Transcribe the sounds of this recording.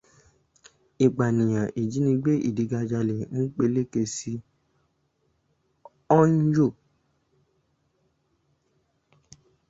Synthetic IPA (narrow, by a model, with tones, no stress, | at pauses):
i˨ɡ͡ba˨nĩ˨j̃ã˨ʔi˨d͡ʒi˨˦nĩ˧ɡ͡be˦ʔḭ˦˨di˨˧ɡa˧d͡ʒa˧le˨n̩˦k͡pe˧le˦ke˧si˧ | ɔ˦n̩˦jo˦˨